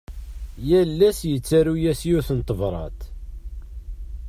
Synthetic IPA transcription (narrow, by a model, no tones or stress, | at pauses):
jælːæsjət͡sːæɾujæsjʊɾθənt̪ˤːəvɾˤɑ̰t̪